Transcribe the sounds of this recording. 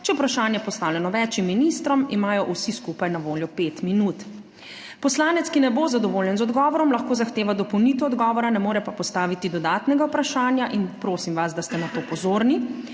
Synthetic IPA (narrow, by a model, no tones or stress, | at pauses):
t͡ʃɛupɾaʃaːnjɛpɔst̪aːwljɛnɔʋɛːt͡ʃimːinist̪ɾɔmimaːjɔʔusiskupajnaʋoːljɔpeːt̪minuːt̪ | pɔslaːnɛt̪skinɛbozad̪ɔʋoːljɛnzɔd̪ɡɔːʋɔɾɔmlɐxkoːzaxt̪eːʋad̪ɔpɔwnit̪ɛɔd̪ɡɔːʋɔɾanɛmoːɾɛpapɔst̪aːʋit̪id̪ɔd̪aːt̪nɛɡawpɾaʃaːnjaʔinpɾoːsimʋasd̪ast̪ɛnat̪oːpɔzoːɾni